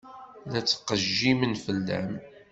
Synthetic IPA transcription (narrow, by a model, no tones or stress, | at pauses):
ðæt͡sːə̥qəʒːimənfəlːæ̰m